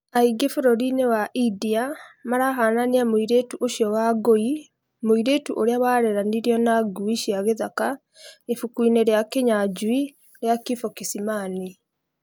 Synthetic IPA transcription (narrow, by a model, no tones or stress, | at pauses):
aiɡefoɾɔɾinewaʔidiamaɾaɦananiamoiɾetuʔoʃjɔwaɡoi | moiɾetuʔoɾeawaɾeɾaniɾiɔnaɡuiʃiaɣeðaka | efukwiːneɾjakeɲad͡ʒwi | ɾjakifokisimaːni